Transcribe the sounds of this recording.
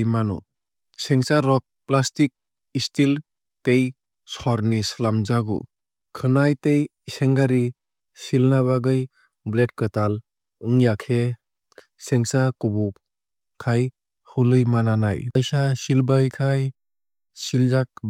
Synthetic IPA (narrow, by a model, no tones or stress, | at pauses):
jmanɔ̰ | seŋsaɾɔk̚plastik̚ | istil | tej | sɔɾnislamzaɡṵ | kʰɯnajtej | seŋɡaɾi | silnaβaɡɯj | blet̚kɯtal | ɯŋjakʰe | seŋsakubu | kʰaj | hulɯjmananajjsasilbajkʰaj | silzak̚